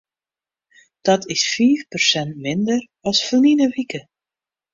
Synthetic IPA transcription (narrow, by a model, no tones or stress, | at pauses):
d̥ɑtʰɪsfiːfpərsɛntmɪndər | ɑlˠsfəninəʋikə